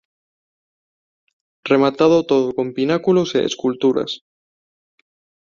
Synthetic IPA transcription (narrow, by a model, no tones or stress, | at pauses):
re̞mat̪að̞ot̪oðoko̞mpinakulosḛːskult̪uɾa̰s